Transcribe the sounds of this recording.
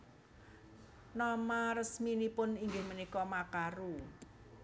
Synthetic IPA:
nɔmarəsminipʊniŋɡɪhmənikɔmakaɾu

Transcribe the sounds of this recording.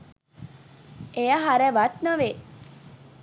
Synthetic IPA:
ejaɦaɾɛʋat̪naʋeː

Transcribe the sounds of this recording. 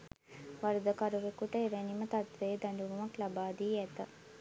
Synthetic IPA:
ʋaɾəd̪əkaɾuʋekuʈəeʋenimət̪at̪ʋejed̪aɳɖuʋumaklabaːd̪iːæt̪ə

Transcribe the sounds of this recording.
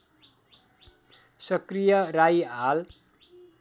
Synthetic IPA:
sʌkrijʌrajɦal

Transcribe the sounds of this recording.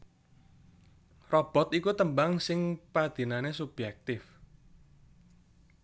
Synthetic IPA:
rɔb̥ɔ̤t̪ikut̪əmbaŋsɪŋpad̪̥i̤nanesub̥jɛk̚t̪ɪf

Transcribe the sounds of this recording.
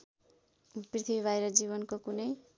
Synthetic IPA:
prit̪ʰibiβajɾʌd͡ziβʌnkokunʌj

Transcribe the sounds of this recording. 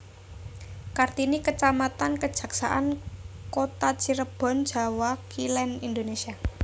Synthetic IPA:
kart̪inikət͡ʃamat̪ankəd̥ʒ̥ä̤ksa̰ʔankot̪at͡ʃiɾəb̥ɔ̤nd̥ʒ̥a̤wakilɛnind̪onesia

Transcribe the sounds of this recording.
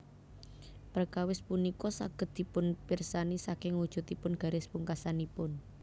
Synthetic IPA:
pərkawɪspunikɔsa̰ɡ̥ə̤d̪̚d̪̥i̤pʊnpirsanisakɪŋwud̥ʒ̥ṳt̪ipʊnɡ̥a̤ɾɪspuŋkasanipʊn

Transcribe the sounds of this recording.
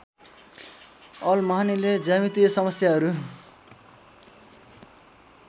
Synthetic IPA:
ʌlmʌɦaniled͡zamit̪iʌsʌmʌsjaɦʌɾu

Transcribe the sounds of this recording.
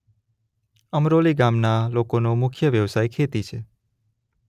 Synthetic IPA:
əmɾoliɡamnalokonomʊkʰjəʋjəʋsajkʰet̪it͡ʃʰe

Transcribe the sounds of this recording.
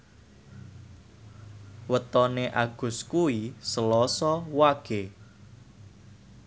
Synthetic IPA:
wət̪ɔneʔaɡ̥ʊ̤skuisəlɔsɔwaɡ̥e

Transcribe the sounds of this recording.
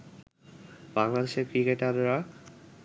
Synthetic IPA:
baŋlad̪eʃeɾkɾikeʈaɾːa

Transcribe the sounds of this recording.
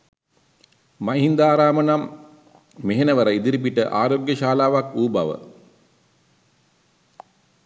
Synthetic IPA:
maɦind̪aːɾaːmənamː | eɦenəʋəɾəid̪iɾip̬iʈəʔaːɾoɡjəʃaːlaːʋakuːba̰ʋə̰

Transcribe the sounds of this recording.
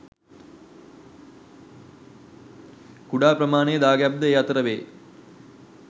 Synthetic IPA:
kuɽaːprɐmaːneːd̪aːɡjab̚d̪ɐeːɐt̪ɾɐʋeː

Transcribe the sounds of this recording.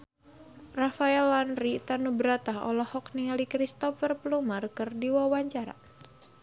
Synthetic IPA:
rafaɛlanrit̪anubəɾat̪ahɔ̰lɔhɔkniŋalikɾist̪ɔfərplumarkɨrdiwawaɲt͡ʃaɾa̰

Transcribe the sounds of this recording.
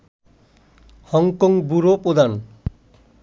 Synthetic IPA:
hɔŋkɔŋbuɾopɾod̪ʱan

